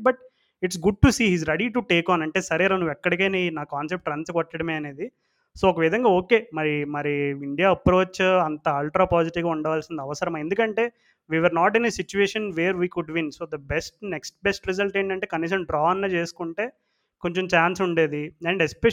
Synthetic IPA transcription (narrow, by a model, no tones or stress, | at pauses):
bɐʈ̚ | iʈs̬ɡuɖ̚ʈusiːɦiːzɾeɽiʈuʈeːkaːnɐɳʈe̞ːsɐɾeːɾɐnuʋɛkːɐɽikeːneːnaːkaːns̬ep̚ʈɾɐnsɐkɔʈːɐɽɐme̞ːɐne̞ːd̪i | soːɔkɐʋid̪ʱɐŋɡaːoːke̞ːmɐɾimɐɾiiɳɖijaːɐpɾo̞ːt͡ʃɐnt̪ɐaːlʈɾaːpaːd͡ʒiʈiʋɡaːuɳɖɐʋaːlsinɐd̪iɐʋɐsɐɾɐmae̞nd̪ukɐɳʈe̞ː | ʋiːʋeɾnaːʈ̬inesit͡ʃueːʂɐnʋeːɾʋiːkuɖʋinso̞ːd̪ɐbesʈneksʈ̚besʈɾɛzɐlʈeːɳʈɐɳʈeːkɐniːs̬ɐmɖɾaːɐnlɐːt͡ʃeːsu̥kuɳʈe̞ː | ko̞ɲt͡ʃomt͡ʃaːnsuɳɖe̞ːd̪iɛɳɖɛspɛ